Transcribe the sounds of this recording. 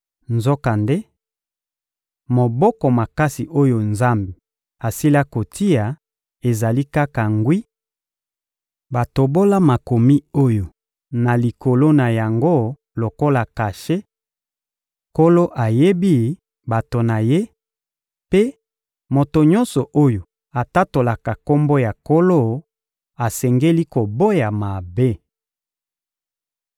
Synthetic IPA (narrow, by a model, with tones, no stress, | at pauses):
nzo˦ka˨nde˦ | mo˨bɔ˦kɔ˨ma˨ka˦si˨ʔo˦jo˨nza˦mbe˨ | a˨si˦la˦ko˨tʰi˦a˨ | e˨za˨li˦ka˦ka˨ŋɡwi˦ | ba˨to˨bo˦la˦ma˨ko˨mi˦o˦jo˨ | na˨li˨ko˨lo˦na˨ja˨ŋɡo˦ | lo˨ko˦la˨ka˨ʃe˦ | ko˦lo˦ʔa˨je˦bi˦ | ba˨to˨na˨je˦ | pe˦ | mo˨to˨ɲɔ˦nsɔ˨ʔo˦jo˨ | a˨ta˦to˨la˨ka˨ko˦mbo˦ja˨ko˦lo˦˨ | a˨sɛ˨ŋɡe˦li˦ko˨bo˦ja˨ma˨be˦˨